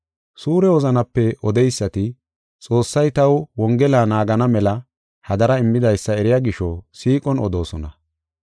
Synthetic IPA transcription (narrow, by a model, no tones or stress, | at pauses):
suːɾɛwɔzɐnɐpːɛɔd̪ɛjsːɐt̪ɪ | t͡sʼo̞ːsːɐjt̪ɐwwɔŋɡɛlaːnaːɡɐnɐmɛlɐ | hɐd̪ɐɾɐɪmːɪd̪ɐjsːɐɛɾɪjaːɡɪʃɔsiːkʼɔnɔ̰d̪o̞ːsɔnɐ̰